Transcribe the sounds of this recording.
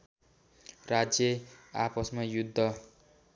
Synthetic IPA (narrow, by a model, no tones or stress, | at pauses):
rad͡zjʌa̰pʌsmajud̪ʱːʌ